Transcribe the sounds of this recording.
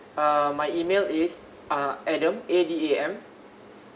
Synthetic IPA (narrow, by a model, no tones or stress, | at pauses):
amajimelis | aʔɛdə̃medieɛ̃m